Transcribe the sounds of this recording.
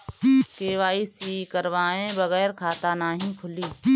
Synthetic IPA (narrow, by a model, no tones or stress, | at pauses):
keːʋaːisiːkəɾʋaːẽbɐɣɛːɾkʰaːt̪anaːɦĩpʰʊliː